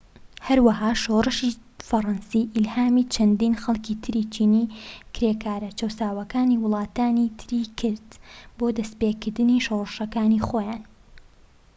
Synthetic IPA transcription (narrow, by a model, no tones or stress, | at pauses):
hɐɾwɐɦaːʃoːrˤɨʃi | fɐrˤɑnsiʔɪlhaːmit͡ʃʰɐnd̪iːnxɐlˠkit̪ʰɨɾit͡ʃʰiːniːkɾeːkʰaːɾɐt͡ʃɐwsaːwɐkaːniwʊlˠɑːt̪aːnit̪ʰɨɾikʰɨɾd̪boːd̪ɐspeːkɨɾd̪ɨniʃorˤɨʃɐkaːnixoːjaːn